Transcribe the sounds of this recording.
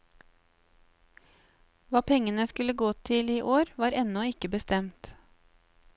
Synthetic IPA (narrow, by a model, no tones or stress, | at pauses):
ʋɑːpʰɛŋənəskʉləɡoːt̪ʰɪliːʔoːɾʋɑːɾɛnɔɪkəbəst̪ɛmt̪